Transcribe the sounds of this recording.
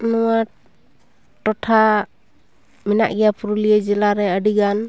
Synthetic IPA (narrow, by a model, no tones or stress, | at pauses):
nuwa | ʈɔtʰa | mɛna̰ʔɡɛjapʰuɾuliɛd͡ʒɛlaɾɛəɖiɡan